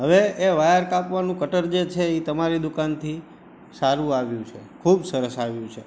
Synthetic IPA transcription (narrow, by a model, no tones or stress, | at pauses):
ɦəʋeːʋajəɾkapʋanũkəʈəɾd͡ʒet͡ʃʰeit̪əmaɾid̪ukant̪ʰi | saɾũaʋjũt͡ʃʰekʰubsəɾəsaʋjũt͡ʃʰe